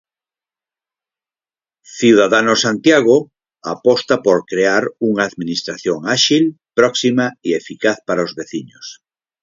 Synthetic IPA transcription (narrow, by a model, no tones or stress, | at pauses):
θiwðaðanosant̪jaɣ̞o | apɔst̪apoɾkɾeaɾuŋaːðminist̪ɾaθjoŋaʃilpɾɔksimaiefikaθpaɾaozβeθiɲoʊs